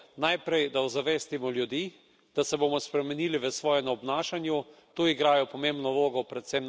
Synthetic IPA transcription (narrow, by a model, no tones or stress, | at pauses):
najpɾɛjd̪aɔzaʋɛst̪imɔljud̪iː | d̪̥asɛbomɔspɾɛmɛniːliʋəsʋɔːjɛnɔbnaːʃanjut̪uːiɡɾaːjɔpɔmembnɔloːɡɔpɾɛt̪sem